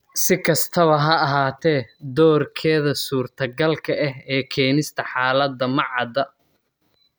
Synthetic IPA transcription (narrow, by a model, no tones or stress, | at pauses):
sɪkʰɐst̪ʰɐβɐɦɐɐɦaːt̪ʰɛːd̪ɔːrkʰɛːðɐsuːrt̪ʰɐɡɐlkʰɐʔɛɦɛːkʰɛːnɪst̪ʰɐħaːlɐd̪ɐmɑʕɑd̪ɐ